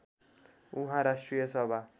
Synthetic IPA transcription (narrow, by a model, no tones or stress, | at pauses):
uɦãɾasʈrijʌsʌbʱa